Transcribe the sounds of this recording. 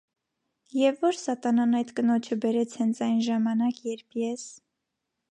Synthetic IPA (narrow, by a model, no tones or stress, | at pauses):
jɛvːɔɾsɑt̪ɑnɑnɑjt̪kənɔt͡ʃʰəbɛɾɛt͡sʰhɛnt͡sʰɑjnʒɑmɑnɑkjɛɾpʰjɛs